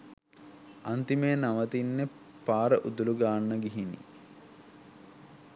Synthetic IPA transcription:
ant̪imejənaʋət̪inːe | paːɾəʔud̪uluɡaːnːəɡiɦinḭ

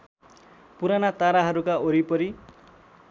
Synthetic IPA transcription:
puɾanat̪aɾaɦʌɾukaoɾipʌɾi

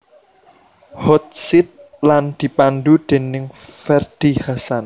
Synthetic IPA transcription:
hɔt̪̚sɪt̪̚ | land̪̥i̤pand̪ud̪̥e̤nɪŋfɛrd̪̥ihasan

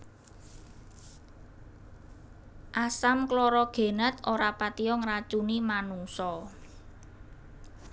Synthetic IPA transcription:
ʔasamklɔɾɔɡ̥e̤nət̪oɾapat̪iɔŋɾat͡ʃunimanuŋsɔ

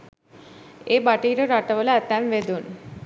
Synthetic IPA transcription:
eːbaʈiːɾəɾaʈəʋələæt̪æmʋed̪un

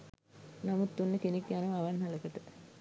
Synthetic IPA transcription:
namut̪ːunːəkenekjanəmaʋanɦaləkəʈə

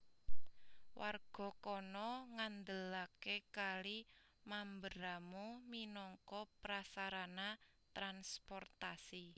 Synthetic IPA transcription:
wʔarɡ̥ɔ̤kɔnɔŋand̪əlakekali | mambəɾamuminɔŋkɔpɾasaɾana | t̪ɾanspɔrt̪asi

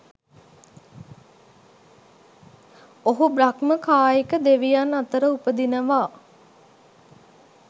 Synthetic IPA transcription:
oɦubrakməkaːjekəd̪eʋijanːat̪əɾəupəd̪inəʋaː

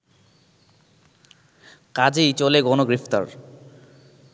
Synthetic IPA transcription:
kad͡ʑejt͡ɕoleɡɔnoɡɾift̪a̰ɾ

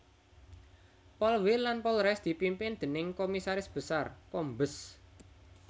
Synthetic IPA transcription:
pɔlwilanpɔlɾɛsd̪̥i̤pimpɪnd̪̥ə̤nɪŋkomisaɾɪsb̥ə̤sarkombəs

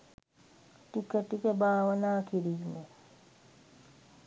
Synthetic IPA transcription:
ʈikəʈikəbaːʋənaːkiɾime

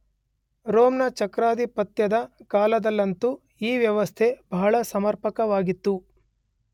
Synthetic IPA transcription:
ɾoːmnɐt͡ʃɐkɾaːd̪ipɐt̪jɐd̪ɐkaːlɐd̪ɐlːɐnt̪u | iːʋjɐʋɐst̪ʰe̞bɐɦɐɭɐsɐmɐɾpɐkɐʋaːɡit̪ːu

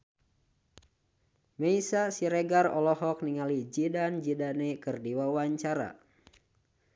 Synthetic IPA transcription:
mɛisasiɾɛɡarɔ̰lɔɦɔk̚niŋalid͡ʒidand͡ʒidanɛkɨrdiwawaɲt͡ʃaɾa̰

